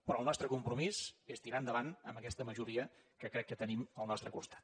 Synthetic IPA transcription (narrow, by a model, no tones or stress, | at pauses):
pɾɔəlˠnɔst̪ɾəkumpɾumizest̪iɾand̪əβanə̰mbəkɛst̪əməʒuɾiə | kəkɾɛkːət̪əniməlˠnɔst̪ɾəkust̪ḁt̪̚